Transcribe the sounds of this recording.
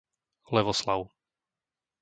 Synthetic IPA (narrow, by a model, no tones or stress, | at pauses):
lɛʋɔslaʊ